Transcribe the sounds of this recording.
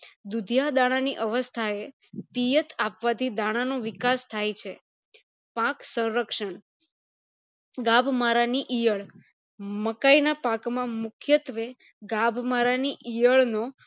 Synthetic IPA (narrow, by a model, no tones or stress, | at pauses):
d̪ud̪ʱjad̪aɽ̃aniʔəʋəst̪ʰae | pijət̪apʋat̪ʰid̪aɽ̃anoʋɪkast̪ʰajt͡ʃʰe | pãksə̃ɾəkʃəɳ | ɡabʱmaɾaniʔijəɭ | məkainapakmãmʊkʰjət̪ʋe | ɡabʱmaɾaniʔijəɭno